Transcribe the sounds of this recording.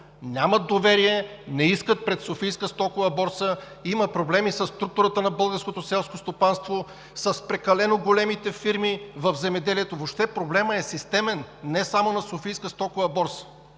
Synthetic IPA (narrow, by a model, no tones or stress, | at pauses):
nʲamɐt̪̚d̪ovɛɾiɛnɛiskət̪̚pɾɛt̪sofijskəst̪ɔkovəbɔɾsə | iməpɾoblɛmisɐsːt̪ɾuk̚t̪ʊɾət̪ənɐbɤlˠɡəɾskot̪osɛlˠskost̪opanst̪vo | sɐspɾɛkɐlɛnoɡolɛmit̪ɛfiɾmivəvzɛmɛd̪ɛliɛt̪ovopʃt̪ɛpɾoblɛməɛsist̪ɛmɛnːɛsamonɐsofijskəst̪ɔkovɐbɔɾsə̥